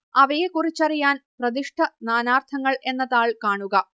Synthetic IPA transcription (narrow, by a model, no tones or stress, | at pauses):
ɐʋɐjekːurit͡ɕːɐrijaːnprɐd̪iʂʈʰɐnaːnaːrt̪ʰɐŋːɐɭʔe̞nːɐðaːɭkaːɳuɣɐ